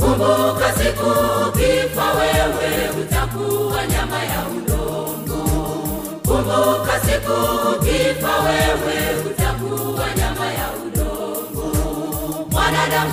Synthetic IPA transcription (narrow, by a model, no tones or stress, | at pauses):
kumbukasikukifawɛwɛutakuwaɲamajaulɔ | ŋɡu | kumbukasikukifawɛwɛutakuwaɲamajaunɔ | ŋɡu | mwanaɗam